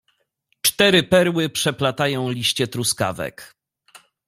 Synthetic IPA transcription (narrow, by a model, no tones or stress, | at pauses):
t͡ʂt̪ɛɾɘpɛɾwɘpʂɛplat̪ajɔ̃w̃lʲiɕt͡ɕɛt̪ɾuska̰vɛ̰k